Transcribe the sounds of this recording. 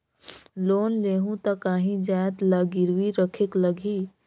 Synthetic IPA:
loːnleɦũt̪əkaːɦĩd͡ʒaet̪laɡiɾwiɾəkʰekləɡʱi

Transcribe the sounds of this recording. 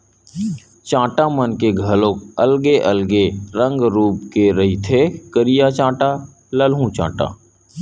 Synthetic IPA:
t͡ʃãːʈamənkeɡʱəlokəlɡeʔəlɡeɾə̃ŋɡɾuːpkeɾɐɦit̪ʰekəɾijat͡ʃãːʈa | ləlɦũt͡ʃã̰ːʈa̰ː

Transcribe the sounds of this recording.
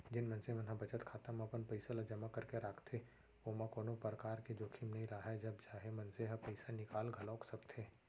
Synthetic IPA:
d͡ʒɪnmɐnsemɛnɦãbɐt͡ʃət̪kʰaːt̪amɐpənpɐɪsalad͡ʒɐmakɐɾkeɾaːkʰt̪ʰe | oːmãkoːnopəɾəkaːɾked͡ʒoːkʰimnɐɦĩɾaɦɛd͡ʒɐbt͡ʃaːɦemɐnseɦɐpɐɪsanɪkaːlɡʱɐlɔːksɐkt̪ʰeː

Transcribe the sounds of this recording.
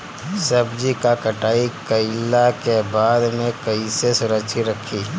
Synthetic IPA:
sɐbd͡ʒikakɐʈaːikɐɪlːakebaːd̪mẽkɐisesʊɾəkt͡ʃʰiɾɐkʰiː

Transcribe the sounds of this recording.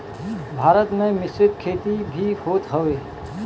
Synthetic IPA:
bʱaːɾət̪mẽmɪsɪt̪kʰeːt̪ibʱihoːt̪ɦəʋeː

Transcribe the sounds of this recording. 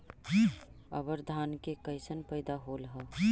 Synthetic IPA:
ə̰bəɾd̪ʱaːnkekəɪsənpəɪd̪aɦoːlɦɛ

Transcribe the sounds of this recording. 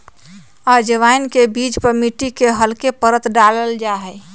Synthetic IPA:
ad͡ʒəʋaːɪnkebiːd͡ʒpəɾmiʈikeɦəlkepəɾət̪ɖaləld͡ʒaɦɛː

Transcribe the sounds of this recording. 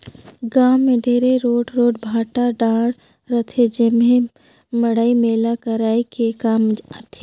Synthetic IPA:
ɡaːwmẽɖʱeːɾeɾoːʈɾoːʈbʱaːʈaɖãːɽ | ɾət̪ʰed͡ʒemẽ | mɐɽaːimeːlakəɾaːikekaːmət̪ʰe

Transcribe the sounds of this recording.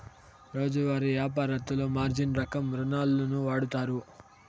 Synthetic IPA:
ɾo̞ːd͡ʒuʋaːɾiʋjaːp̬aːɾɐt̪ulo̞ːmaːɾd͡ʒinɾɐkɐmɾunaːlːɐnuʋaːɽut̪aːɾu

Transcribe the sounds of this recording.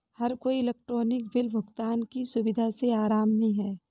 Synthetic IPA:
hɐɾkoːiɪleːk̚ʈɾoːnɪkbɪlbʱʊɡt̪aːnkisʊbɪd̪ʱaseaːɾaːmnɐɦĩɦɛː

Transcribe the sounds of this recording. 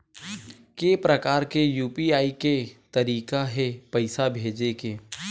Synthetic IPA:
keːpɾɐkaːɾkejuːpiaːiket̪ɐɾiːkaɦɛpɐɪsabʱeːd͡ʒekeː

